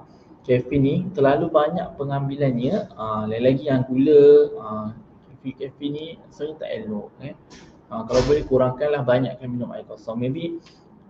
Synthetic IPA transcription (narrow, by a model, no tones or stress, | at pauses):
kɛfinit̪ərlalubaɲaʔ̚pəŋãmbilanɲə̃əlalaɡijaŋkiləə | kɛfikɛfinĩsənət̪a̰ʔɛ̰lʊʔkan | əkalawbolɛhkuɾaŋkanlahbaɲaʔkanmĩnʊma̰jkɔsɔŋmẽbi